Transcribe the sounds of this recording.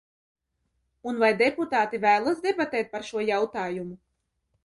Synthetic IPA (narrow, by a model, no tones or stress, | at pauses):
unvajd̪eput̪aːt̪ivæːlˠasd̪ebat̪ɛːt̪̚paɾʃuɔjawt̪aːjumu